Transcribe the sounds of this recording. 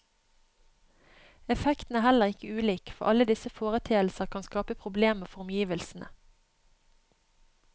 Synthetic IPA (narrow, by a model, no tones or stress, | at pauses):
ɛfɛkt̪n̩æːhæləʁɪkəʉːliːkfɔ̰ʁʔɑləd̪ɪsəfoːʁət̪ʰeːəlsəʁkʰɑnskɑːpəpʰʁʊbleːməʁfɔʁʊmjiːʋəlsn̩ʔə̰